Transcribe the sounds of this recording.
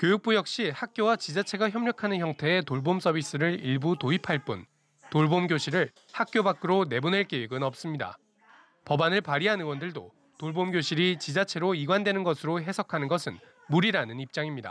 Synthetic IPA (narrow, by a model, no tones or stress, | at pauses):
kjojuk̚p͈ujʌk̚ɕ͈ihak̚k͈jowat͡ɕid͡ʑat͡ɕʰe̞ɡaçjʌmɲʌkʰanɯnçjʌŋtʰe̞etoɭboms͈ʰʌbis͈ɯɾɯɾiɭbutoipʰaɭp͈un | toɭbomɡjoɕʰiɾɯɭ | hak̚k͈jobak͈ɯɾone̞bone̞ɭk͈ejuɡɯnʌp̚s͈ɯmɲida̰ | pʌbanɯɭpaɾiɦanɯwʌndɯɭdo̰ | toɭbomɡjoɕʰiɾit͡ɕid͡ʑat͡ɕʰe̞ɾoiɡwandwe̞nɯnɡʌsʰɯɾoɦe̞sʰʌkʰanɯnɡʌsʰɯn | muɾiɾanɯnip̚t͡ɕ͈aŋimɲida̰